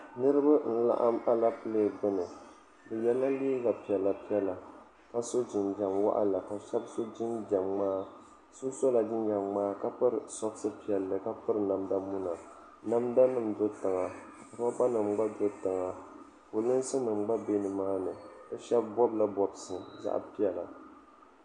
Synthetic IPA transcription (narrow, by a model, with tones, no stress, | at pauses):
nɨ˦ɾɨ˦ba˦n̩˨la̰˦˨ʔa˦ma˦la˦pɨ˦leː˦˨ɡ͡bɨ˦nɨ˨ | dɨ˨jɛ˦la˦liː˦ɡa˨pi˨ɛ˨lːa˨pi˦ɛ˦la˨ | ka˦so˦d͡ʒɪ˨nd͡ʒa˨mwa̰˦ʔa̰˦la˨ka˨ʃɛ˦bso˦d͡ʒɪ˦nd͡ʒa˨mmaː˦ | so˦so˦la˨d͡ʒɪ˦nd͡ʒa˨ŋmaː˦ka˦pɨ˦ɾɨ˨sɔ˦bsɨ˦pi˨ɛ˨lːɨ˨ka˦pɨ˦ɾɨ˨na˨mda˦mu˦na˨ | na˦mda˦nɨ˨mdo˦tɨ˨ŋa˨ | pɨ˨˦a˦ba˦nɨ˨mɡ͡ba˦do˦tɨ˨ŋa˨ | ko˨lɨ˦n˦sɨ˦nɨ˨mɡ͡ba˦be˦nɨ˨maː˦nɨ˨dɨ˦ʃɛ˦bbɔ˦bla˦bɔ˨bsɨ˨za̰˦ʔa̰˦pi˦ɛ˨la˨